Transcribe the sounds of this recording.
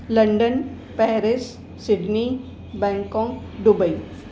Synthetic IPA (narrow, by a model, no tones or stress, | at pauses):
lɐ̃ɳɖən | pɛːɾɪs | sɪɖni | bɛ̃ːŋkɔ̃ːŋ | ɖʊbəi